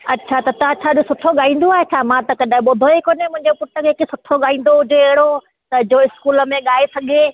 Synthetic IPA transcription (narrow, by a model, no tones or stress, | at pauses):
ɐtːʃʰat̪ɐt̪ɐãt͡ɕʰaːɗosʊʈʰoɠaːĩːnd̪oaːɦet͡ɕʰaːmãt̪ɐkɐɗãɓʊd̪ʱoikoːnemʊ̃ɦɪ̃ɲd͡ʑopʊʈːəkʰekesʊʈʰoɠaːĩːn̆d̪oʊd͡ʑʱeɐɦɪɽo | t̪ɐd͡ʑoɪskuːlə̆mẽɠaːesɐɠʱe